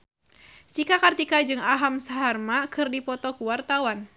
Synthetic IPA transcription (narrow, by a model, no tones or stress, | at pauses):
t͡ʃikakart̪ikad͡ʒɨŋaɦamsaɦarmakɨrdipɔt̪ɔkuwart̪awan